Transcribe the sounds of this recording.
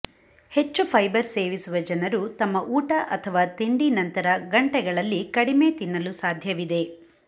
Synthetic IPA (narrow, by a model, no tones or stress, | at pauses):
he̞t͡ʃːupʰɐjbɐɾseːʋisuʋɐd͡ʒɐnɐɾut̪ɐmːɐʔuːʈɐʔɐt̪ʰɐʋaːt̪eɳɖinɐnt̪ɐɾɐɡɐɳʈɛɡɐɭɐlːikɐɽime̞ːt̪inːɐlusaːd̪ʱjɐʋid̪e̞